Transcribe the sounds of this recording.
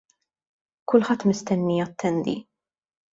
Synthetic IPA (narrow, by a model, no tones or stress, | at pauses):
kʊlħɐt̪ːmɪst̪ɛnːiɐt̪ːɛnd̪ḭ